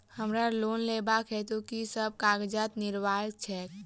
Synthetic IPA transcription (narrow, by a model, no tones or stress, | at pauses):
həmɾaloːnleːbakʰɦɛt̪okisəb̚kaːɡd͡ʒat̪nɪɾʋaːjək̚t͡ʃʰɛː